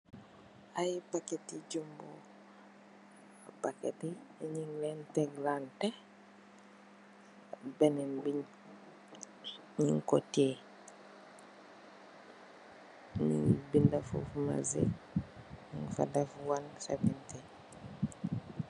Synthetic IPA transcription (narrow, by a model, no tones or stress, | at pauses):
ajpaketiɟumbo̰ | apaketiɲiŋlenteɡlante | benenbiɲ | ɲiŋkotie | ɲḭbindafo̰fma̰zḛ | niŋfa̰dafwansa̰binte